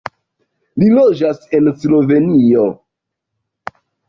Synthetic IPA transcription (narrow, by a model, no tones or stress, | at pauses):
lilod͡ʒase̞nslo̞ve̞nio